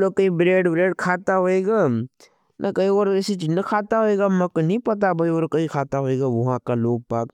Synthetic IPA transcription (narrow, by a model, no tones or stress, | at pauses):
lokɐɦĩbɾeːɖbɾeːɖkʰaːt̪aɦoeːɡaː | nʔɐkɐɦioːɾɛːsit͡ʃiːznekʰaːt̪aɦoeːɡamɛ̃konɐɦĩpɐt̪̬abʱɐioːɾkɐɦĩkʰaːt̪aɦoeːɡaʋɐɦãkaloːɡ̚paːk